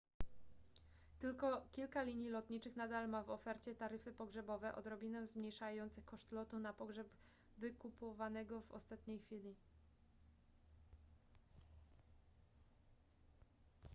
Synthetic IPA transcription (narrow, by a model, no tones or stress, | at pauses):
t̪ɘlkɔkʲilkalʲiɲilɔt̪ɲit͡ʂɘxnad̪almavɔfɛɾt͡ɕɛt̪aɾɘfɘpɔɡʐɛbɔvɛʔɔ̰d̪ɾɔbʲinɛw̃zmɲejʂajɔnt̪sɘxkɔʂt̪lɔt̪unapɔɡʐɛb | vɘkupɔvanɛɡɔvɔ̰st̪at̪ɲejxfʲilʲi